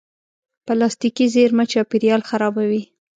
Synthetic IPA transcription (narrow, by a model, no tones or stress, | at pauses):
palɑst̪ikizeɾmat͡ʃɑpiɾjɑlxaɾɑbawi